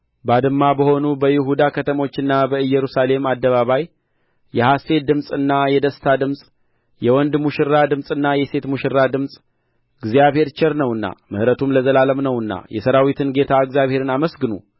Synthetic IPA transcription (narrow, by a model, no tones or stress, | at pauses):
bad̪ɨmːabəho̞nubəjɪɦud̪akʰət̪ʰəmo̞t͡ʃːɨnːabəɨjːɛɾusale̞mad̪ːəβaβaj | jɛhase̞d̪ɨmsʼɨnːajɛd̪əst̪ʰad̪ɨmsʼ | jɛwɔnd̪muʃɪrːad̪ɨmsʼɨnːajɛse̞t̪muʃɪɾːad̪ɨmsʼ | ɡzijaβhe̞ɾt͡ʃɛɾnəwɨnːa̰mɨhɾət̪ʰumləzəlaləmnəwɨnːa̰jɛsəɾawit̪ʰɨnɡe̞t̪ʰaɨɡzijaβhe̞ɾɨnaməsɡɨnṵ